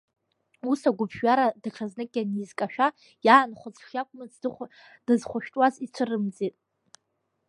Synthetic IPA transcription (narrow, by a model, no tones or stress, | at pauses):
usaɡʷʊpʰʒᶣɥaɾadaqʰaznɨkʲʼanizkʼaʃᶣa | jaːnχʷʊt͡sʂakʷʼmɨt͡s | d̥ɨzχʷʊʃᶣtʼwazit͡sʷʰɨrɨmd͡zʼitʼ